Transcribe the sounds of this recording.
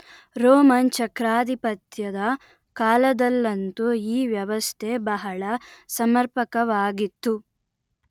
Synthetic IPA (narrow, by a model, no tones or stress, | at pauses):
ɾoːmɐnt͡ʃɐkɾaːd̪ipɐt̪jɐd̪ɐ | kaːlɐd̪ɐlːɐnt̪uiːʋjɐʋɐst̪ʰebɐɦɐɭɐsɐmɐɾpɐkɐʋaːɡit̪ːu